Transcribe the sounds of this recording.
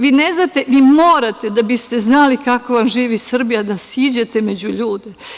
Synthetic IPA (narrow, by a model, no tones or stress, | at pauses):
ʋiːne̞znat̪e̞ʋiːmo̞ːɾat̪e̞d̪abist̪e̞znalikako̞ʋamʒiːʋisr̩bijad̪asiːd͡ʑe̞t̪e̞me̞d͡ʑuʎuːd̪e